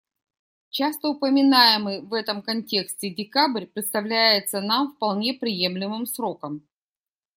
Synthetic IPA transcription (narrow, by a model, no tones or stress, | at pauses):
t͡ɕast̪əʊpəmʲɪnajɪmɨjvɛt̪əmkɐnʲtʲe̞ksʲtʲɪdʲɪkabɾʲpɾʲɪt̪st̪ɐvlʲæjɪt̪sənamfpɐlˠnʲe̞pɾʲɪje̞mlʲɪmɨmsɾo̞kəm